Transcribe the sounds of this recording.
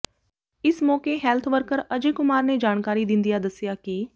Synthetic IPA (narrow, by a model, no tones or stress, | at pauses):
ɪsmɔːkeːɦɛːlt̪ʰʋəɾkəɾəd͡ʒeːkʊmaːɾneːd͡ʒaːɳkaːɾiːd̪ɪ̃nd̪ijaːd̪əsɪjaːkɪ